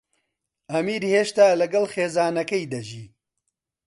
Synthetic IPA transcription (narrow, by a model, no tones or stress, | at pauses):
ɐmiːɾheːʃt̪aːlɐɡɐlxeːzaːnɐkɐjd̪ɐʒiː